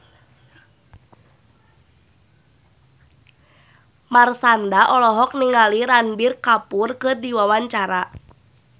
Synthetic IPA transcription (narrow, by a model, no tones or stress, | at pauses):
marsandaʔɔlɔɦɔk̚niŋaliɾanbirkapʊrkɨrdiwawaɲt͡ʃaɾa